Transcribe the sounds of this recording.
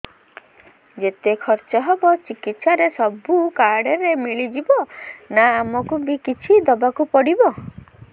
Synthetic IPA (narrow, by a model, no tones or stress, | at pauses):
d͡ʒet̪ekʰɔɾt͡ʃɔɦebɔt͡ʃikit̪saɾesɔbukaɽeɾemiɭid͡ʒibɔnaːmɔkubikit͡ʃʰid̪ɔbakupɔɽibɔ